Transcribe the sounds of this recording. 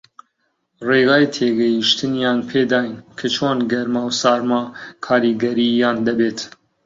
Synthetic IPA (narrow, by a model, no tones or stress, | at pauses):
reːɣɑːjit̪ʰeːɡɛjiʃt̪ɨnjɑːnpʰeːd̪ɑːjinkʰɨt͡ʃʰoːnɡɛɾmɑːwsɑːɾmɑːkʰɑːɾiɡɛɾiːjɑːnd̪ɐbeːt̪